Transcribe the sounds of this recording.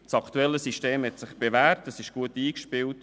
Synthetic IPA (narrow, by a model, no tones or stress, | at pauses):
sɑkʰtuɛlːəsiʃteːmhɛt̪sɪχb̥evæːrtːəsɪʃɡ̥uətiːkʃpɪwt